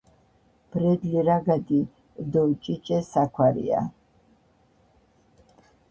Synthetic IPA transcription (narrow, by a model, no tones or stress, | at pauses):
b̥ɾɛd̪liɾaɡad̪i | d̪ɔt͡ʃʼit͡ʃʼɛsakʰwaɾḭa̰